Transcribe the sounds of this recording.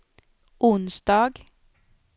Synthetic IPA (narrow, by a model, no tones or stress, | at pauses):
ʔʊnsd̪̥ɑːɡ